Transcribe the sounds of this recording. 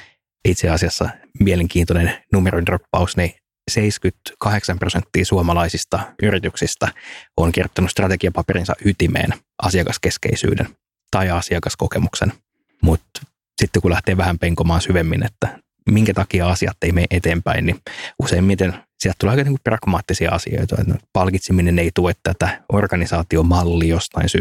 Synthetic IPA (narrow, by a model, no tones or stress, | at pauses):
it̪seɑsiɑsːɑmieleŋkiːnt̪onennumeroinropːɑusni | seiskyt̪kɑheksɑmprosent̪ːiːsuɑmɑlɑisist̪ɑyrit̪yksist̪æoŋkirjot̪ːɑnust̪rɑt̪ekiɑpɑperinsɑ̰ʔyt̪imḛːn | ʔɑ̰siɑkɑskeskḛisy̰ːdḛn | t̪ɑiɑsiɑkɑskokemuksen | mut̪ | sit̪ːekulæht̪eːʋæhæmpeŋkomɑːnsyʋemːinet̪ːæ | miŋkæt̪ɑkiɑɑsiɑ̰t̪ːeimeiʔet̪eːmpæinniuseimːit̪ensiælt̪ːuleːɑikɑeneiŋkuprɑɡ̥mɑːt̪ːisiɑ̰ɑsḭo̰it̪ɑḛt̪pɑlkit̪simineneit̪uet̪t̪æt̪æʔorɡɑnisɑːt̪iomɑlːiːjost̪ɑinsy